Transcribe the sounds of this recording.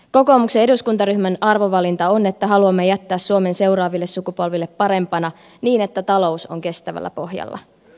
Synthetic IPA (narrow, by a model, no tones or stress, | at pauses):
ko̞ko̞ːmuksee̞duskunt̪ɑryhmænɑrʋoʋɑlint̪ɑone̞t̪ːæɦɑluɑmːejæt̪ːæːssuome̞nse̞uɾɑːʋilːessukupo̞lʋilːepːɑɾe̞mpɑnɑ | niːne̞t̪ːæt̪ɑlo̞uso̞̰ŋke̞st̪æʋæ̰lːæ̰po̞hjɑ̰lːɑ̰